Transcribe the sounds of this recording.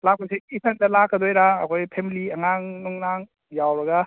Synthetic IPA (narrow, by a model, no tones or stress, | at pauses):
lak̚ʰosiipʰendɐlakɐdojɾaɐ̰kʰojpʰemiliɐŋaŋnuŋnaŋ | jawɾɐɡa